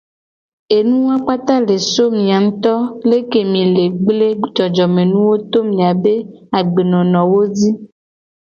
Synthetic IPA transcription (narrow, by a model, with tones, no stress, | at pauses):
e˨nũ˦wa˦k͡pa˦t̪a˦le˨so˦mĩ˨a˨ŋ̩̃˦t̪ɔ˦le˦ke˨mĩ˨le˨ɡ͡ble˦d͡ʒɔ˨d͡ʒɔ˨mẽ˨nũ˦wo˦t̪o˦mĩ˨a˨be˦a˨ɡ͡be˨nɔ̃˨nɔ̃˨wo˦d͡zi˦